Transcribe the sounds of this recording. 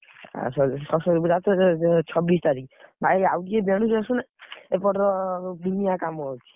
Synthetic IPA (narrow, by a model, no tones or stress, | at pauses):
a̰sɔsɔsɔdbuɾatʰɔt͡ʃʰɔbist̪aɾikbʱaawɡiebeñus̬esunaepɔʈɔd̪unijakamɔt͡ʃʰi̥